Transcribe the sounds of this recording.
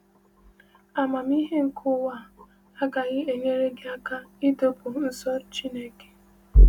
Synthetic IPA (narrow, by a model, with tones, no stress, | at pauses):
a˨ma˨m˦i˦ɦe˦ŋ̩˨kʰʊ˦wa˦˨ | a˦ɡa˨ɣɪ˦e˨ɲe˦ɾe˦ɡɪ˦a˦ka˦ɪ˦to˦pʊ˨n̩˦sɔ˦t͡ʃi˦ne˦ke̥˨